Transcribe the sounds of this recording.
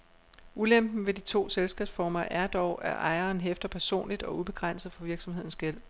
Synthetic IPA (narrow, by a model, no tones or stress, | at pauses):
ulem̰b̥n̩ʋe̝dit͡sʰo̝̰ːselsɡ̥ɛb̥sfɒːmɐʔæɐd̥ɒʊʔæɐʔɑ̈ɪɐːnɦefd̥ɐpʰæɐso̝̰ːnlid̥ɒ̽ub̥e̝ɡ̥ʁan̰sð̩ˠfɒ̽ʋiɐɡ̥sɒ̽mhe̝ð̞̰ˠn̩sɡ̥el̰